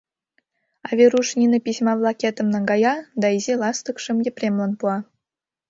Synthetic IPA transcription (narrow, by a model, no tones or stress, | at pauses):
ɑvʲeruʂnʲinɤpʲisʲmɑvlˠɑkʲet̪ə̆mnɤ̆ŋɡɑjɑd̪ɑizʲilˠɑst̪ə̆kʂɘ̆mjʲepʲrʲemlˠɑnpuɑ